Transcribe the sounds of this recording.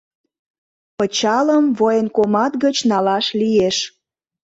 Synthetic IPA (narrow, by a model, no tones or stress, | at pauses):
pət͡ɕɑləmvojənkomɑt̪ɡət͡ɕnɑlɑʃlijeʃ